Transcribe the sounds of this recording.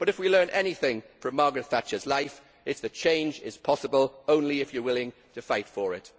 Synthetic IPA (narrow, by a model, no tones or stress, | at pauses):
b̥ʌɾɨfwilɜ̃˞nʔɛnɪθɪ̃ŋfɹə̃mːɑːɡɹɨtfat͡ʃəzlaɪf | ɪtsðɨt͡ʃʰẽɪ̃nd͡ʒɪ̰z̥pʰɒsəbəlˠõʊ̃nliɪfjə˞wɪlɪ̃ŋtʰəfaɪtfəɹɪ̰t